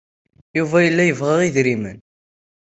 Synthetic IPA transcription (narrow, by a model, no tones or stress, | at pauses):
juvæjəlːæjəvʁæʁiðɾimən